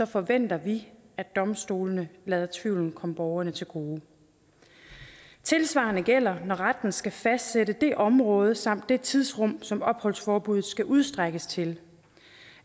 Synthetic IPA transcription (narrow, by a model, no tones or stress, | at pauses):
ɒ̽fɒ̽ʋen̰d̥ɐʋiæd̥ɒ̽msd̥o̝ːlənəlɛːð̞ˠɐt͡sʰʋiʊln̩kʰɒ̽məb̥ɒʊɐnət͡sʰe̝lɡ̥o̝ː | t͡sʰe̝lsʋɑ̈ːnəɡ̥el̰ɐnɒʁad̥n̩sɡ̥æfæsd̥seɾəd̥e̝ʔɒ̽mʁɔ̽ːð̞ˠsɑ̈m̰d̥ːe̝t͡sʰið̞ˠsʁɔ̽m̰sɒ̽mɒ̽b̥hɒ̽lsfɒːb̥uð̩ˠsɡ̥æʔuð̞ˠsd̥ʁaɡ̥əst͡sʰe̝l